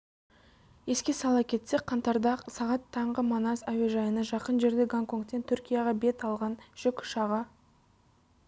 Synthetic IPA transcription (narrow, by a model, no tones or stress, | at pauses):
je̞skʲe̞sɑlˠɑpkʲʰe̞t̪se̞kqʰɑnt̪ɑɾd̪ɑqsɑʁɑt̪ʰːɑɴʁəmonɑsaweʒɑjənɑʒɑqənʒe̞ɾd̪e̞ɡaŋko̞ŋkt̪ːe̞nt̪ʰʏɾkʲijɑʁɑbe̞t̪ɑlˠʁɑnʒ̥ʏkʲʃɑʁɑ